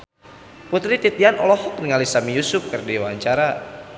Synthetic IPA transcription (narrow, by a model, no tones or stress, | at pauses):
put̪ɾit̪it̪ianɔ̰lɔhɔk̚niŋalisamijusʊp̚kɨrdewaɲt͡ʃaɾa